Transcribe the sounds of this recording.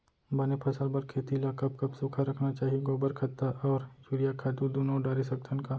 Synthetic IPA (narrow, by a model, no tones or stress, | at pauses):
bɐnepʰɐsəlbɐɾkʰeːt̪ilakɐb̚kɐbsʊkʰaɾɐkʰnat͡ʃaːɦieɡoːbəɾkʰɐt̪ːaʔɔːɾt͡ʃuːɾjakʰaːt̪ud̪uːnɔ̃ɖaːɾisɐk̚t̪ʰənka